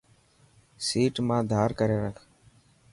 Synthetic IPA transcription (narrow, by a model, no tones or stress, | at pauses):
siːʈmãːd̪ʱaːɾkəɾeːɾəkʰ